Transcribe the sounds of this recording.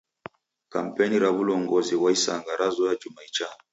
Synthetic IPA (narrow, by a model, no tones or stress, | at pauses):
ka̰m̩pɛniɾaβulɔŋɡɔziwaisaŋɡaɾazɔjad͡ʒumait͡ʃa